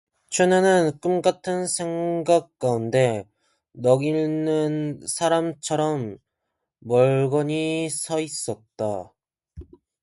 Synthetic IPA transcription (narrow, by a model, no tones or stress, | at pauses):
t͡ɕʰwenɯnɯnk͈ɯmk͈atʰɯnsʰe̞ŋɡak̚k͈aunde̞ | nʌɡinɯnsʰaɾamt͡ɕʰʌɾʌmː | ʌɭɡʌɲisʰʌis͈ʌt̚t͈a